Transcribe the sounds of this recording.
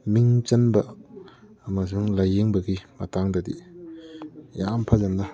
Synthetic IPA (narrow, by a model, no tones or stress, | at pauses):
miŋt͡ʃɐnbɐ | mɐsuŋlajːeŋbɐɡimɐtaŋdɐdḭ | jampʰalamnɐ